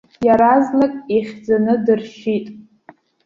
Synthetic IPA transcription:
jaɾaznakʼiχʲd͡zanɨdɨrʃitʼ

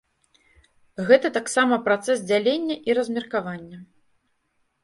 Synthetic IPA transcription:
ɣɛt̪ɐt̪aksamɐpɾat̪sɛs̬d͡zʲalʲenʲːɐʔiɾɐzʲmʲirkavanʲːɐ

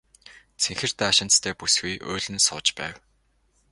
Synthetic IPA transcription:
seŋxɘ̆r̥t̪aːʃɪ̆nt͡s̪t̪ʰeːpusɡujʔʊ̰ːɮɘ̆nsʊːt͡ɕpæ̰ːw

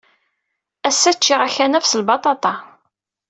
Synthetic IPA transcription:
æsːæt͡ʃːiʁaçænæfsəlbɑt̪ˤɑt̪ˤɑ

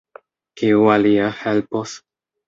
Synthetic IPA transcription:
kiualiahelpos

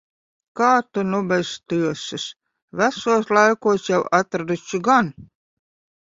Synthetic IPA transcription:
kaːt̪unubɛst̪ɨɔsɨs | væsuɔslˠajkuɔsjawat̪ɾad̪ut͡ʃuɡan

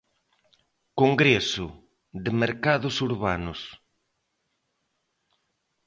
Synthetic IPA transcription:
koŋɡɾesʊ | ðɪmeɾkaðʊsuɾβanʊs

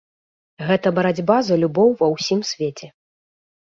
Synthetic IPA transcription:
ɣɛt̪ɐbɐɾad͡zʲbazɐlʲubɔwvɐwsʲimsʲvʲet͡sʲɛ

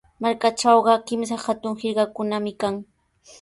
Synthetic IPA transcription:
maɾkaʈ͡ʂɑwɢɑkɪms̬axat̪ʊŋhɪɾɢɑkʊnamɪkaŋ

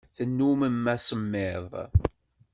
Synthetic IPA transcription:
θənːuməmːæsəmːɪðˤ

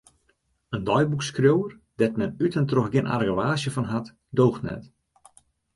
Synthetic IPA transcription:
əndɔjbukskrjowər | dɛtmɛnytəntrɔxɡɪnʔa̰rɡəʋaːsjəfɔnɦat | doːxtnɛ̰t

